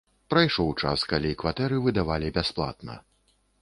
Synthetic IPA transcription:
pɾajʂɔwt͡ʂa̰skalʲikvat̪ɛɾɨvɨd̪avalʲibʲasplˠa̰t̪̚nɐ̰

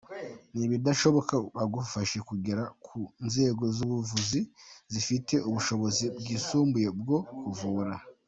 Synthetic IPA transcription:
niβidaʃo̞βo̞kaβaɡufaʃe̞kuɡeɾakʰunze̞ːɡo̞zuβuvuzizifite̞ʔuβuʃo̞βo̞zibɡiːsuːmbuje̞b̚ɡo̞kuvuːɾa

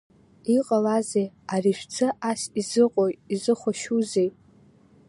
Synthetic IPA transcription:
iqʼalazej | ariʃᶣt͡sʰɨʔasizɨqʼojtʼizɨχʷaʃuzej

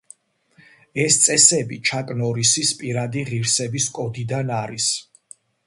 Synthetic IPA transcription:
ɛst̪sʼɛsɛbit͡ʃʰakʼnɔɾisispʼiɾad̪iʁiɾsɛbiskʼɔd̪id̪anaɾis

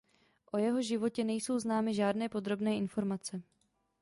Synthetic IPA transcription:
ʔo̞jɛɦo̞ʒɪvo̞cɛnɛjso̞wznaːmɪʒaːdnɛːpo̞d̪ɾo̞bnɛːʔɪnfo̞ɾmat͡sɛ

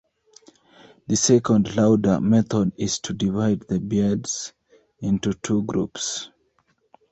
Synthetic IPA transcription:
ðəsɛkə̃ndlaʊdə̰˞mɛθɔdɪz̥tʰudivaɪd̪̚ðəbidz̥ | ɪ̃ntutʰuɡɹṵps

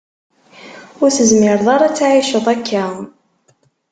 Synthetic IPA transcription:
ʊɾθəzmɪɾðˤɑɾˤɑt͡sːaʕiʃəðˤækʰːæ

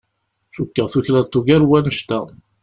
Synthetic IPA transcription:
ʃukːəʁθuçlæðt̪ːuɡæɾwænəʃt̪æ

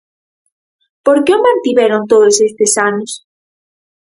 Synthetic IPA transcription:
po̞ɾkeomant̪iβeɾont̪oðosest̪esanos

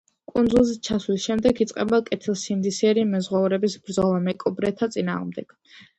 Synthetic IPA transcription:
kʼund̪zulˠzɛt͡ʃʰaslisʃɛmd̪ɛkʰit̪sʼqʼɛbakʼɛt̪ʰilˠsimd̪isiɛɾimɛzʁwauɾɛbisbɾd̪zɔlˠamɛkʼɔbɾɛt̪ʰːat̪sʼina̰ːʁmd̪ɛɡ̥

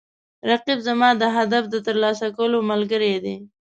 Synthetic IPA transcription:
ɾaqibzamɑd̪əɦad̪afd̪ət̪əɾlɑsakawəlomalɡəɾed̪e

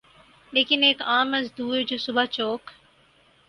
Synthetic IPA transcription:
leːkɪneːkaːmɐzd̪uːɾd͡ʑoːsʊbat͡ɕoːk

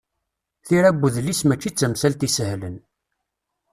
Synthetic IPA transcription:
θiɾæbːuðlːismæt͡ʃːit͡sːəmsælt̪isəhlən

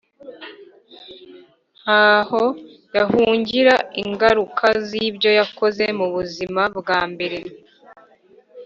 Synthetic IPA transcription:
aho̞ | jahuːɲɟiɾaiŋɡaɾukʰazibjo̞jako̞zemuβuzimabɡaːmbe̞ɾe

